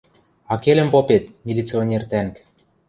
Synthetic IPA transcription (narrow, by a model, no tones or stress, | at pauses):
ɑkelɘ̆mpopet̪̚mʲilʲit͡sionʲert̪æŋk